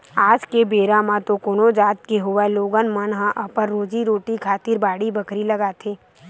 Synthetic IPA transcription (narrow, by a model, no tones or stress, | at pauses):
aːd͡ʒkebeːɾãmãt̪okoːnod͡ʒaːt̪̚keɦʊʋaloːɡənmənɦãʔɐpəɾːoːd͡ʒiɾoːʈikʰaːt̪ɪɾbaːɽibəkɾilɐɡaːt̪ʰeː